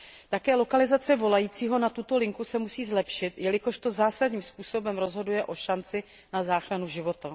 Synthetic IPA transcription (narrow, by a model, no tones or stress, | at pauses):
t̪akɛːlo̞kalɪzat͡sɛvo̞lajiːt͡siːɦo̞nat̪ut̪o̞lɪŋkusɛmusiːzlɛpʃɪt̪jɛlɪko̞ʃt̪o̞zaːsadɲiːmspuːso̞bɛmɾo̞zɦo̞dujɛʔo̞ʃant͡sɪ | nazaːxɾanuʒɪvo̞t̪a